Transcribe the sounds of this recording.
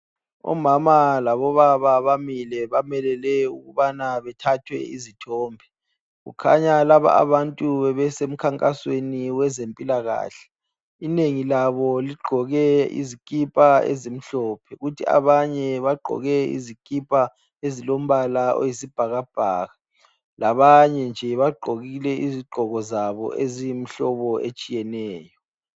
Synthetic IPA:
ɔ̰mamalaβɔβaβaβamilɛβamɛlɛlɛuɣuβanaβɛtʰatʰwɛ̰izitʰɔːmbʱɛ | ɣṵkʰa̰ɲalaβa̰a̰βantʼuβɛβɛsem̩kʰaŋkʼasweniwɛzempʼilaɣa̰ːɬɛ̥ | ineŋilaβɔliɡ͡ǃʱɔɣɛḭzikʼipʼaḛzim̩ɬɔːpʰɛɣutʰia̰βaɲɛβaɡ͡ǃʱɔ̰ɣɛḭzikʼipʼa | ezilom̩βalao̰jisib̥ʱaɣab̥ʱaːɣa | laβaɲɛnd͡ʒʱɛiβaɡ͡ǃʱoɣilɛʔiziɡ͡ǃʱɔɣɔzaβɔ̰ʔezijim̩ɬɔβɔet͡ʃʼijɛnɛːjɔ

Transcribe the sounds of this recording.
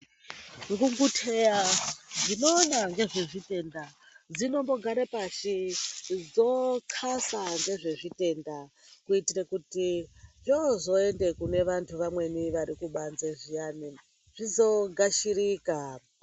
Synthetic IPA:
ŋɡuŋɡutʰe̞jandino̞ːnaŋɡe̞ʐe̞ʐite̞nda | d͡zino̞mbo̞ɡʱaɾepaʃid͡zo̞kʰasaŋɡe̞ʐe̞ʐite̞nda | kuitirakutit͡ʃozo̞e̞nde̞kune̞ʋantʰuʋamwe̞niʋaɾikuɓanzeʐijani | ʐ̥izo̞ɡʱaʃiriːka

